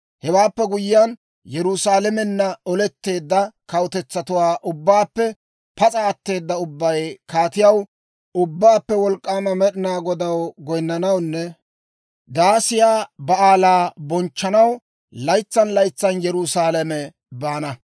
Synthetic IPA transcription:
hɛwaːpːɛɡʊjɪjɐn | jɛɾʊsaːlɛmɛnːɐɔlɛt̪ːe̞ːd̪ːɐkɐwʊt̪ɛt͡sːɐt̪ʊwaːʔʊbːaːpːɛ | pɐt͡sʼaːt̪ːe̞ːd̪ːɐʊbːɐjkaːt̪ɪjɐw | ʊbːaːpːɛwɔlkʼːaːmɐmɛɗɪnaːɡɔd̪ɐwɡɔjnːɐnɐwnːɛ | d̪aːsɪjaːbɐaːlaːbɔnt͡ʃːɐnɐw | lɐjt͡sːɐnlɐjt͡sːɐnjɛɾʊsaːlɐmɛ | baːnɐ

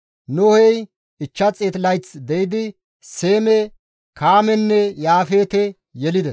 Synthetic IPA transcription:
nʊhɛj | ɪt͡ʃːɐt͡sʼeːt̪lɐjt͡sd̪ɛjɪd̪ɪ | seːmɛ | kaːmɛnːɛjaːfeːt̪ɛ | jɛlɪd̪ɛs

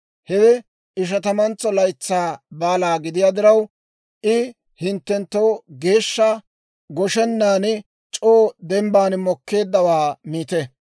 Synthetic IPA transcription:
hɛd̪ɛ | ɪʃ̬ɐt̪ɐmɐnt͡sːɔlɐjt͡sːaːbaːlaːɡɪd̪ɪjaːd̪ɪɾɐw | ʔɪ | hɪnt̪ːɛnt̪ːowɡe̞ːʃːɐ | ɡɔʃɛnːaːn | t͡ʃʼoːd̪ɛmbaːnmɔkːe̞ːd̪ːɐwaːmiːt̪ɛ

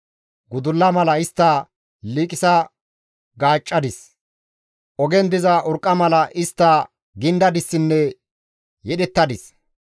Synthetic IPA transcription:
ɡʊd̪ʊlːɐmɐlɐɪst̪ːɐ | liːkʼɪsɐ | ɡaːt͡ʃʼːɐd̪ɪs | ʔɔɡɛnd̪ɪzɐʔʊɾkʼːɐmɐlɐʔɪst̪ːɐ | ɡɪnd̪ɐd̪ɪsːɪnːɛ | jɛɗɛt̪ːɐd̪ɪs

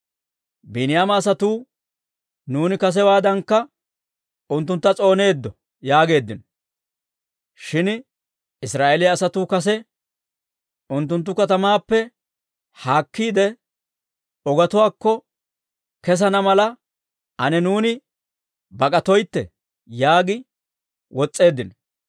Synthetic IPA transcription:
bɪnɪjaːmɐːs̬ɐt̪uː | nuːnɪkɐs̬ɛwaːd̪ɐŋkːɐ | ʊnt̪ːʊnt̪ːɐt͡sʼo̞ːne̞ːd̪ːɔ | jaːɡe̞ːd̪ːɪnɔ | ʃɪn | ɪsɾaːʔelɪjɐːsɐt̪uːkɐs̬ɛ | ʔʊnt̪ːʊnt̪̬ːʊkɐt̪ɐmaːpːɛ | haːkːiːd̪ɛ | ɔɡɐt̪ʊwaːkːɔ | kɛs̬ɐnɐmɐlɐ | ʔɐnɛnuːnɪ | bɐkʼɐt̪ɔjt̪ːɛ̰ | jaːɡɪ | wɔt͡sʼːe̞ːd̪ːɪnɔ

